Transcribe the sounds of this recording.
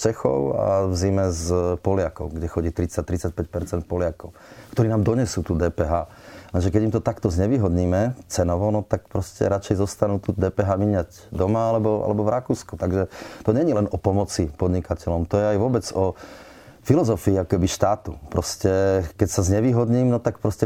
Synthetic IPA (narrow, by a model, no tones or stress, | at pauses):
t͡ʃɛxɔ̰ʊa̰vzimɛzpɔlɪakɔ̰ʊɡɟɛxɔɟiːt̪ɾit͡sac̚t̪ɾit͡sac̚pɛc̚pɛɾt͡sɛnt̪̚pɔlɪakɔʊkt̪ɔɾiːnaːmd̪ɔɲɛsuːt̪uːd̪ɛːpɛɦaː | lɛnʒɛkɛɟimt̪ɔt̪akt̪ɔzɲɛʋiːɦɔd̪ɲiːmɛt͡sɛnɔʋɔnɔt̪ak̚pɾɔscɛ̰ɾat͡ʃɛjzɔst̪anuːt̪ud̪ɛːpɛɦaːmiɲaɟ | d̪ɔmaalɛbɔa̰lɛbɔvɾakuːsku̥t̪aɡʒɛt̪ɔɲɛɲilɛnɔpɔmɔt͡sipɔd̪ɲikacɛlɔmt̪ɔjɛajʋʊɔbɛd͡zɔ | filɔzɔfiːakɔkɛbiʃt̪aːt̪upɾɔscɛkɛcsazɲɛʋiːɦɔd̪ɲiːmnɔt̪ak̚pɾɔscɛ